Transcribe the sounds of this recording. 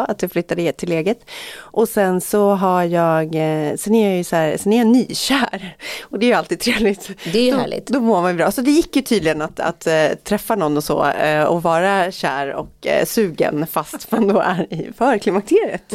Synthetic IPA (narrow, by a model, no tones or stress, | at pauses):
at̪jaflʏt̪ːad̪ət̪ʰːɪleːɡət̪ʔɔsɛnsɔɦajɑːɡsɛnæɾjɑjɵsæːɾsɛnæɾjanyːɕæːɾɔd̪ɛæjəalt̪id̪̚t̪ʰɾeːvlɪt̪d̪ɛd̪æːɭɪ̰t̪d̪ɔmoɾmanjʏbɾɑːsɔd̪ɛjɪkːjɵt̪ʰiːd̪lɪɡənat̪a̰t̪ʰːɾɛfːanɔnːɔsɔ̰ːɔvɑːɾaɕæːɾɔ̰ksʉ̟ːɡə̰nfast̪vand̪ɔʔæɾɪfœɾkʰlɪmakt̪ʰeːɾɪə̰t̪